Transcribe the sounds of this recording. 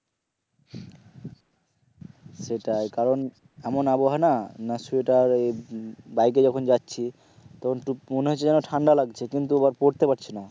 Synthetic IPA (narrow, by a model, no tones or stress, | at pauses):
ʃeʈaekaɾon | ɛmonaboɦananasueʈaɾejbajk̬ed͡ʑɔkʰond͡ʑatːɕʰi | t̪ɔkʰonʈumoneɦot͡ɕʰːed͡ʑɛnoʈʰaɳɖalaɡt͡ɕʰekint̪uabaɾpoɾt̪epaɾt͡ɕʰina